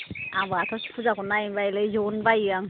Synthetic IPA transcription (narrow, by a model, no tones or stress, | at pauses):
abatʰɔsi̥pʰuzakɔnajbajlɯjzɔnbajaŋ